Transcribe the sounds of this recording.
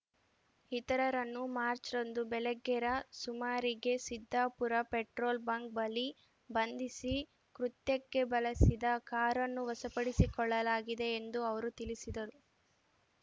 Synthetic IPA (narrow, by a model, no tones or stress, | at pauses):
it̪ɐɾɐɾɐnːumaːɾt͡ʃɾond̪ubɛlɛɡːɛɾɐsumaːɾiɡe̞sid̪ʱːaːpuɾɐpeʈɾoːlbɐŋk̚bɐli | bɐnd̪isi | kɾut̪jɐkːe̞bɐlɐsid̪ɐkaːɾɐnːuʋɐsɐpɐɽisikɔɭːɐlaːɡid̪e̞ːnd̪uɐʋɐɾut̪ilisid̪ɐɾu